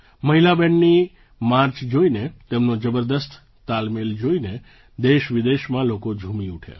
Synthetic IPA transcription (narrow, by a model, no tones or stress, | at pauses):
məɦilabɛnːi | maɾt͡ʃd͡ʒoinet̪emnod͡ʒəbəɾd̪əst̪ʰ | t̪almeld͡ʒoine | d̪eʃʋid̪eʃmãlokod͡ʒʱumiuʈʰḛ